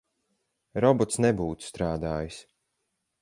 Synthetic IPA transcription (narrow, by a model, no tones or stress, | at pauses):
ɾɔbɔt̪snɛbuːt̪st̪ɾaːd̪aːjis